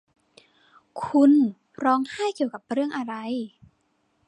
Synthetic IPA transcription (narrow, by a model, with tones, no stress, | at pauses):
kʰu˧n | pʰɾɔː˧˥ŋha˥˩jki˨˩əwka˨˩p̚ɾɯ˥˩əŋʔa˧ɾa˧j